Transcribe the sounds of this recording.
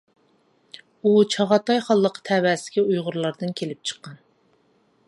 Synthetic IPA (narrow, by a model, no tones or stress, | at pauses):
ut͡ʃʰɑʁɑt̪ɑjχɑlˠːəqə̥t̪ʰɛːwɛsɪ̥kʲiujʁʊɾlˠɑɾd̪ɨnkʲʰelɪp̚t͡ʃʰə̥qːɑn